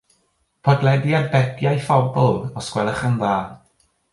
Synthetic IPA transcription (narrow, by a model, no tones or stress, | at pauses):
pʰɔdlˠɛdiarbɛɡjajfɔbɔlˠɔskwɛlˠəχənðaː